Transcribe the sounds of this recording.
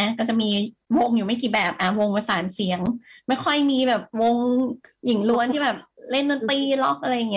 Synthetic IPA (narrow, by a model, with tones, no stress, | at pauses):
kɔː˥˩t͡ɕa˨˩miː˧wo˧ŋjuː˨˩ma˥˩kiː˨˩bɛː˨˩p̚ʔa˧˩wo˧ŋpa˧saː˩˦nsi˩˦əŋma˥˩jxʰɔ˥˩jmiː˧bɛː˨˩p̚wo˧ŋji˨˩˦ŋlu˧ənt̪ʰiː˥˩bɛː˨˩p̚le˥˩nːo˧˦nt̪iː˧˩lɔ˦˥˩k̚ʔa˧ɾa˧jːa˨˩ŋː˦˥